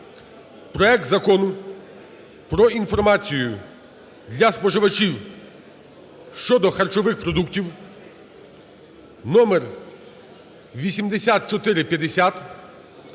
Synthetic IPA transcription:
pɾɔɛk̚t̪zɐkɔnʊ | pɾɔinfɔrmɑt͡sʲijʊ | d̪ʲlʲɐspɔʒɪʋɐt͡ʃiw | ʃt͡ʃɔd̪ɔxɐrt͡ʃɔʋɪxpɾɔd̪uktʲiw | nɔmer | ʋʲisʲimd̪esʲat̪̚t͡ʃɔt̪ɪɾɪpʲjɐd̪esʲat̪

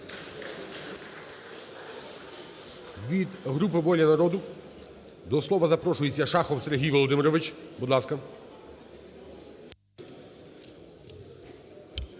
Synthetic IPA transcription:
ʋʲid̪ɦɾup̬ɪʋɔlʲɐnɐɾɔd̪ʊ | d̪ɔslˠɔʋɐzɐpɾɔʃʊjet͡sʲːɐʃɑxɔwseɾʲɦʲijʋɔlˠɔd̪ɪmɪɾɔʋɪt͡ʃbud̪lˠɑskɐ

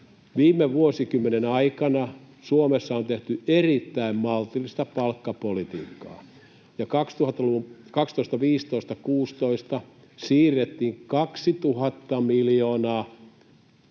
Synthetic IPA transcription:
ʋiːmːˑeʋuosikymːenenɑikɑnɑ | suomesːɑont̪eht̪yerit̪ːæimmɑlt̪ilist̪ɑpɑlkːɑpolit̪iːkːɑ̰ː | jɑkɑkst̪uhɑt̪ːɑloʋukɑkst̪oˑist̪ɑʋiːst̪oist̪ɑkuːst̪oist̪ɑ | siːrːet̪ːiːŋkɑksit̪uhɑt̪ːɑmiljoːnɑː

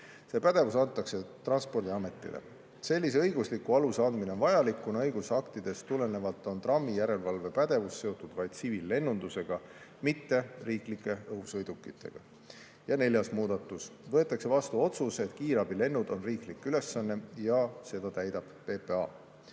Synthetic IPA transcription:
se̞pæd̪̥e̞vusɑnt̪ːˑɑkse̞t̪rɑnspo̞rd̪iɑme̞t̪ːˑḭlḛ | se̞lʲːis̬eɤ̞jɡuslikːuɑlusɑnd̪mineo̞nvɑjɑlikːunɤjɡ̥usɑkt̪id̪̥e̞st̪ule̞ne̞vɑlt̪ːˑo̞nt̪rɑmːijæɾe̞lvɑlve̞pæd̪̥e̞vusːe̞o̞t̪ud̪̥vɑjd̪̥sivilːe̞nːund̪̥use̞ɡ̥ɑmit̪ːe̞riːklikːˑe̞ɤɦusɤjd̪̥ukːˑit̪ʰːe̞̰ɡ̥ɑ̰ | jɑne̞lʲjɑsmuːd̪̥ɑt̪ːˑusvɤ̞e̞t̪ːˑɑkse̞vɑst̪uo̞t̪suse̞t̪kiːɾɑbile̞nːud̪̥o̞nriːklikːyle̞sːɑnːe̞jɑse̞d̪̥ɑt̪æjd̪̥ɑb̥pe̞ːpeɑ̰

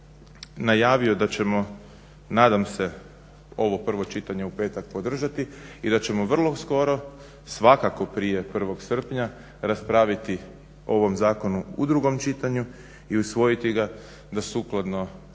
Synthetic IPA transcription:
najaːʋio̞d̪at͡ɕe̞mo̞ | naːd̪amse̞ | o̞ʋo̞pr̩ʋo̞t͡ʃit̪aɲe̞upe̞ːt̪ak̚po̞d̪r̩ʒat̪iid̪at͡ɕe̞mo̞ʋr̩lˠo̞sko̞ɾo̞ | sʋakako̞pɾije̞pr̩ʋo̞ɡsr̩pɲa | ɾaspɾaʋit̪i | o̞ʋo̞mzaːko̞nuud̪ɾuɡo̞mt͡ʃit̪aɲu | iusʋo̞jit̪iɡa | d̪asuːklˠad̪no

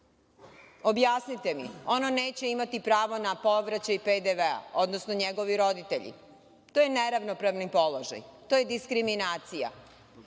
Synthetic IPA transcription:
o̞bjasnit̪e̞mḭo̞none̞ːt͡ɕe̞imat̪ipɾaːʋo̞napo̞ʋɾat͡ɕajiped̪eʋea̰o̞d̪nosnoɲeɡo̞ʋiɾo̞d̪it̪ḛʎḭ | t̪ojene̞ɾaʋno̞pɾaʋnipo̞lˠoʒa̰jt̪ojed̪iskɾiminaːt̪sija̰

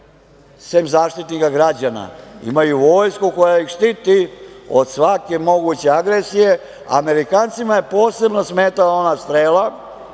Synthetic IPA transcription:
semzaːʃt̪it̪nikaɡɾad͡ʑana̰ḭmajuʋo̞ːjskuko̞jaixʂt̪it̪io̞d̪sʋake̞mo̞ɡut͡ɕe̞aɡɾesije̞ | a̰me̞ɾikaːnt̪simaje̞po̞ːse̞bno̞smeːt̪alao̞nast̪ɾeːla

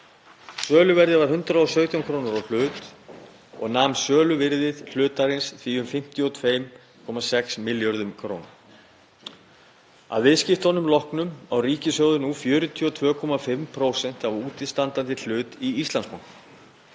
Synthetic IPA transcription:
sœːlʏvɛɾðɪvaɾ̥hɦʏnt̪ɾaɔsœɥt̪ʰjawŋkʰɾownaɾawl̥ʏːt̪ | ɔ̰ɣnaːmsœːlʏvɪɾðɪð̥l̥ʏːt̪aɾɪnsθviːʏmfɪm̥t̪jɔt̪ʰvejm | kʰɔmasɛksmɪljɔɾðʏmkʰɾo̰ːwna̰ | a̰ðvɪðscɪft̪ɔnʏmlɔhknʏmawriːcɪsœɣðʏnufjœːɾʏt̪ʰjɔt̪ʰvœːkʰɔmafɪmpʰɾoːwsɛn̥t̪avuːt̪ɪst̪ant̪ant̪ɪl̥ʏːt̪iist̪anskɔŋ̥k̪

